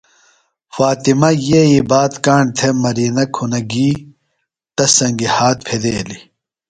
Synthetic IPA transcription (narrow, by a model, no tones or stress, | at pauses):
faːt̪imɐjeibaːt̪kaːɳɖt̪ʰemɐɾiːnɐkʰunɐɡiː | ʈɐsɐŋɡihaːt̪̚pʰed̪eːli